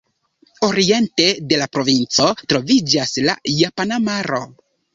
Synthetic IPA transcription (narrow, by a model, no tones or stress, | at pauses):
o̞ɾie̞nte̞de̞lapɾo̞vint͡so̞tɾo̞vid͡ʒasla̰japanamaɾo̞